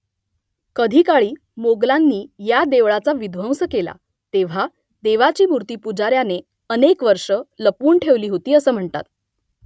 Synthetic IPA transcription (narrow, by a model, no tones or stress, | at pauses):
kəd̪ʱiːkaɭiː | moɡlanːiːjad̪eʋɭat͡saʋid̪ʱʋəwsəkela̰ | t̪eʋ̤a | d̪eʋat͡ɕiːmuɾt̪iːpud͡zaɾjane | ənekʋəɾʂələpuːɳʈʰeʋliːɦot̪iːəsəːm̤əɳt̪a̰t̪̚